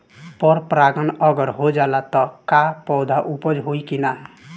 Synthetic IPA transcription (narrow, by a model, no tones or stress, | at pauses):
pʌɾpɾaɡʌnʌɡʌɾɦod͡ʒalat̪ʌkapɔwd̪ʱaʔupʌd͡ʒɦojkina